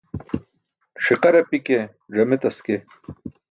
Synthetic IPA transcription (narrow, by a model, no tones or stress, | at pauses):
ʂiqɐɾɐpike | ʐɐmet̪ɐske